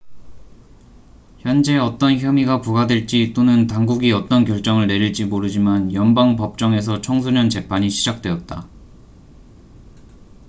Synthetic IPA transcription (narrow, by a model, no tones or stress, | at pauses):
çjʌnd͡ʑe̞ʌt͈ʌnçjʌmiɡapuɡadweɭt͡ɕ͈it͈onɯntaŋɡuɡiʌt͈ʌnkjʌɭt͡ɕ͈ʌŋɯɭne̞ɾiɭd͡ʑimoɾɯd͡ʑimanjʌnbaŋpʌp̚t͡ɕ͈ʌŋe̞s̬ʰʌt͡ɕʰʌŋsʰuɲʌnt͡ɕe̞pʰaɲiɕʰi̥d͡ʑak̚t͈we̞ʌt̚t͈a